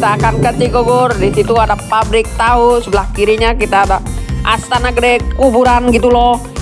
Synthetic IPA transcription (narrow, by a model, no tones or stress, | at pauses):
t̪akankət͡ʃiɡoɡʊrdisit̪uadapabɾɪk̚t̪ausəbəlahkiɾiɲakit̪aːdaʔa̰st̪anakədɛkubuɾanɡit̪ulɔ